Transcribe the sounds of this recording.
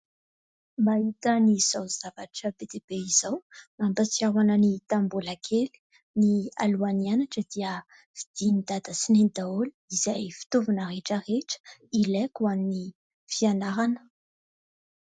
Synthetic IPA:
mbait̪əniz̥awz̥avaʈ͡ʂəbed̪ebeiz̥awmambət͡siawanənit̪ambolakʰeli̥ | nia̰luanianaʈ͡ʂəd̪iə | v̥id̪̥inid̪ad̪əsinenid̪aoli̥izajfi̥t̪ovunəɾeʈ͡ʂəreʈ͡ʂə̥ilɛkuamini | fianaɾanə̥

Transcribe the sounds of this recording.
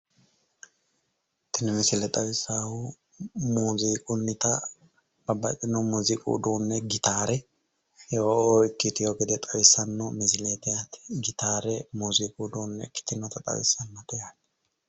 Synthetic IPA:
t̪ːɪnɛmɪsɪlɛt̪ʼɐwɪsaːwʊ | muːziːkʼʊnːɪt̪ɐ | b̥ɐbːɐtʼːɪnɔmuzɪkʼṵd̪uːnːɛɡɪt̪aːɾɛ | jooːɪkːɪt̪ɪjoːɡɛd̪ɛt̪ʼɐwɪsːɐnːɔmɪzɪleːt̪ɛjat̪ɪ̥ɡɪt̪aːɾɛmuːziːkʼud̪uːnːɛ̰kːɪ̥t̪ɪnːɔt̪ɐt̪ʼɐ̰wɪ̰sːɐnmɐt̪ɛjat̪ɛ̥

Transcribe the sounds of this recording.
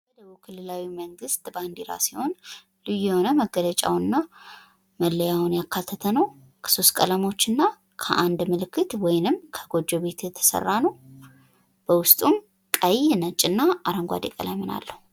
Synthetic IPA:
bəd̪əβukʰɨlːɨlawiməŋɡɨst̪ʼband̪iɾa̰siho̞n | lɨjːɛho̞nəməɡələt͡ʃʼa̰wɨnːa | məlːəjawʊnjakʰːat̪ʰːət̪ʰənəw | kʰə̥so̞st̪kʼələmo̞t͡ʃːɨnːa | kʰə̰ʔand̪mɨlɨkːɨt̪wɔjnɨmkʰəɡ̥o̞d͡ʒːoβe̞t̪ʰjɛt̪ʰə̥sə̰rːanəw | b̥əwʊst̪ʼum | kʼəjnət͡ʃʼːɨnːaaɾəŋɡʷa̰d̪ekʼə̰la̰jmːɨna̰lːəhu

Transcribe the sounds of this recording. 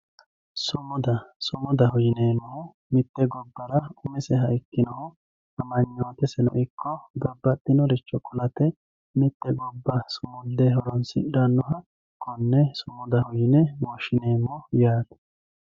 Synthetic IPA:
sʊmɔd̪ɐsɔmɔd̪ɐhɔjɪneːmːɔhʊ | mɪt̪ːɛɡɔbːɐɾɐʊmɛsɛɦɐɪkːɪnɔhʊ | ɐmɐɲːoːt̪ɛsɛnɔ̰ʔɪkːɔd̪ɐbːɐt̪ːɪnɔɾɪt͡ʃːɔkʊlɐt̪ɛ | mɪt̪ːɛɡɔbːɐsʊmʊld̪ɛhɔɾɔnsɪ̰ᶑɐnːɔɦɐ | kɔnːɛsʊmɔd̪ɐhʊjɪnɛwɔʃɪneːmːɔjaːd̪ɐ̥

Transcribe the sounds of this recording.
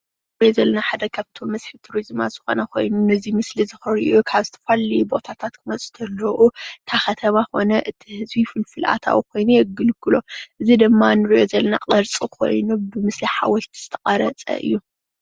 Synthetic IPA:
ɾijozɐlːɐnaħad̪ɐkʰaβt̪ʰo̞mːɐsħit̪ʰuɾizma̰z̥ɨxonɐkʰo̞̰jnunɨzimɨslizɨxɨɾiʔukʰaβzɨt̪ʰɐ̥falibo̞t̪ʰat̪ʰat̪kʰɨmɐt͡sʼu̥t̪ʰɐlːɐʔukʰaxɐt̪ʰɐmako̞nɐʔɨt̪ʰihɨzbifɨlfɨlʔa̰t̪ʰa̰wukʰo̞jnujɛɡɨlkːɨlo̞ʔɨzid̪ɨmːanɨɾiʔo̞zɐlɐna̰qʼɐɾt͡sʼikʰo̞̰jnubɨmɨsliħa̰wɔlt̪ʰi̥z̥ɨt̪ʰɐkʼɐɾɐt͡sʼɐ̰ʔɨ̰jːu

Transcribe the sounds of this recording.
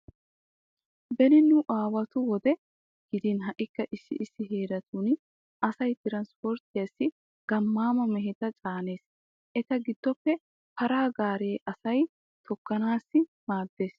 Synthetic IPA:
bɛnɪnʊʔaːwɐt̪ʊwɔd̪ɛ | ɡ̥ɪd̪ɪnɦɐʔɪkːɐʔɪsːɪ̰ʔɪsːɪɦeːd̪ɐt̪un | ɐsɐjt̪ɪɾɐnspɔɾt̪ɪjɐsːɪ | ɡ̥ɐmːaːmɐmɛɦɛt̪ɐt͡ʃʼaːne̞ːs | ʔɛt̪ɐɡɪd̪̥ːɔpːɛ | pɐɾaːɡaːɾeːʔɐsɐj | t̪ʰɔkːɐnaːsːɪ | maːd̪ːe̞ːs

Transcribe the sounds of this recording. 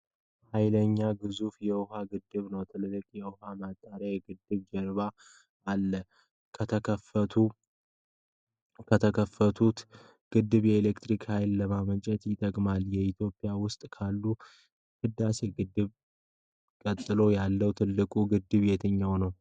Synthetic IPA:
hajləɲːaɡɨzufjɛwʊhaɡɨd̪ːɨβnəwt̪ʰɨllːɨkʼjɛʊɦamat̪ʼːaɾajɡɨd̪ːɨβd͡ʒɛɾβa | alːə | kʰət̪ʰəkʰəfət̪ʰu | kʰət̪ʰəkʰəfət̪ʰut̪ | ɡ̥ɨd̪ːɨβjɛelekt̪ɾikhajlːəmamət͡ʃʼɛt̪jɪt̪ʼːəkʼmaljɛit̪ʰjo̞pʼijawʊst̪ʼkʰalːu | hɨd̪ːase̞ɡɨd̪ːɨβ | kʼət̪ʼːɨlo̞jalːəwt̪ʰɨlːɨkʼuɡɨd̪ːɨβjɛt̪ʰɨɲːawnəw

